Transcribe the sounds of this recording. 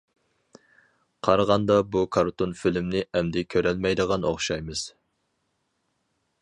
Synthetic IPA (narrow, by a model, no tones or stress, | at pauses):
qʰɑɾʁɑnd̪ɑbukʰɑɾt̪ʰonfɪlmnɪʔɛmd̪ɪkʲʰøɾɛlmɛjd̪əʁɑno̰χʃɑjmɨz̥